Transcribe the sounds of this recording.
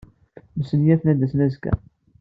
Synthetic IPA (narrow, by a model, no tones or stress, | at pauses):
məsənjæθnæd̪æsnæzkæ̰